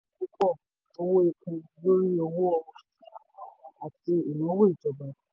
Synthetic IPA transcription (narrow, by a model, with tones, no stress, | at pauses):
u˦kɔ˦˨ | o˧wo˦e˧kũ˧lo˦ɾi˦ɔ˧wo˦ɔ˧˦˧ | a˨ti˧i˨nũ˨˦wo˦i˨d͡ʒɔ˨ba˨